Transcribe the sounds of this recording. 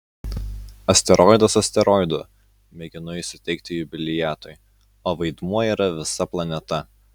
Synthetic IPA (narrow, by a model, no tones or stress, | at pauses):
ɐsʲt̪ʲɛɾʔɔɪd̪ɐsɐsʲt̪ʲɛɾɔɪd̪ʊ | mʲɛɡʲɪnʊɪʃʲsʲɪ̥t̪ʲɛɪk̚t̪ʲɪjʊbʲɪlʲɪjæːt̪ɔɪ | oːʋɐɪd̪muɔiːɾɐʋʲɪsɐplˠɐnʲɛt̪ɐ